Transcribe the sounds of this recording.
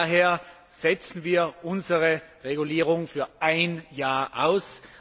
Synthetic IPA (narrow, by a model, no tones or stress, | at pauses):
ɦeːɐ | z̥ɛt͡sn̩viːɐʔʊnzəʁəʁeɡuliːʁʊŋfyːɐʔaɪnjaːɐʔa̰ʊs